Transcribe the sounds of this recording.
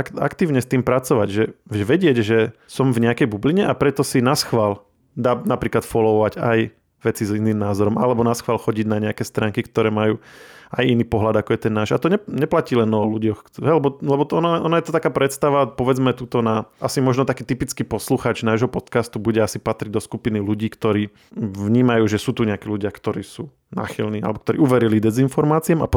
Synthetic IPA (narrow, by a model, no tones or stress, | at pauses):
ka̰kt̪iːʊɲɛst̪iːmpɾat͡sɔʋa̰ɟʒɛʒɛʋɛɟɪɛɟʒɛsɔmvɲɛakɛjbubliɲɛʔapɾɛt̪ɔsinasxʋal | d̪aːnapɾiːklat̪fɔlɔʋɔʋaɟaj | ʋɛt͡siziniːmnaːzɔɾɔmʔa̰lɛbɔnasxʋaːlxɔɟiɟnaɲɛakɛːst̪ɾaːŋkikt̪ɔɾɛːmajuːajiniːpɔɦlad̪akɔjɛt̪ɛnːaːʒat̪ɔɲɛɲɛplaciːlɛnɔluɟɔxɦɛlɛbɔlɛbɔɔnaʔɔnajɛt̪ɔt̪akaːpɾɛt̪st̪aʋapɔʋɛd͡zmɛt̪uːt̪ɔnaʔasimɔʒnɔt̪akiːt̪ipit͡skiːpɔsluxaːt͡ʃnaːʒɦɔpɔt̪kast̪ubuɟɛasipat̪ɾiɟ̚d̪ɔskupiniluɟiːkt̪ɔɾiː | ʋɲiːmajuːʒɛsuːt̪uɲɛakiːluɟɪakt̪ɔɾiːsuː | na̰ːxilniːa̰lɛbɔkt̪ɔɾḭːuʋɛɾilid̪ɛzinfɔɾmaːt͡siɛma̰p